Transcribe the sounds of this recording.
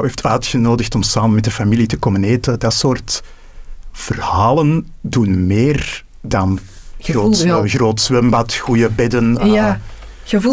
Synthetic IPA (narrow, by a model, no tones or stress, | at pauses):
eftʰœːɥtxənoːdəxtɔmsaːmənmɛtdəfamilitəkɔməneːtədɑtsoːrt | v̥ərhaːləndunmeːr | dɑn | roːɣroːtswɛmbɑtxujəbɛdən | ə